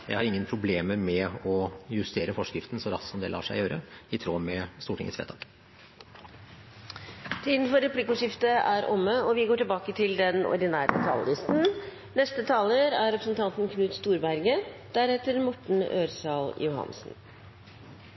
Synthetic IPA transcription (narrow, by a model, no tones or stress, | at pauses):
jæ̰ɪhɑɾɪŋːənpʰɾʊbleːməmɛɔjʉst̪eːɾəfɔʂkɾɪft̪n̩sɔɾɑt̪sɔmd̪ɛ̰lɑ̰ːʂæɪjøːɾə̰ɪt̪ʰɾoːmɛst̪uːʈɪ̰ŋːə̰tsʋḛːt̪ʰɑːk | t̪ʰiːd̪n̩fɔɾɛpʰlɪkʊʂɪft̪əʔæɾʔɔmːəɔʋɪɡoːʈɪlbɑːkət̪ʰɪld̪ɛnɔ̰ɖ̪ɪnæ̰ːɾət̪ʰɑ̰ːlːɪst̪n̩ | nɛst̪ət̪ʰɑːləɾæɾɾɛpʰɾəsnt̪ʰɑnt̪n̩kʰnʉːt̪st̪uːɾbæɾɡəd̪̥æɾhɛːt̪əɾmɔʈɳ̩øːɾsɑljʊɦɑ̰nsn̩